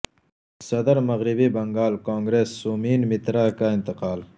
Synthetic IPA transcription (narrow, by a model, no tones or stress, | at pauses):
sɐd̪əɾmɐɣɾibibɐŋɡaːlkõːŋɡɾeːsːuːmiːnmit̪ɾaːkaint̪ɪqaːl